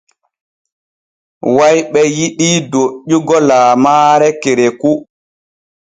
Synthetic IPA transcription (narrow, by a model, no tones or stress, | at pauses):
wajɓɛjiɗidoɗːuɡɔlaːmaːɾɛkeɾeku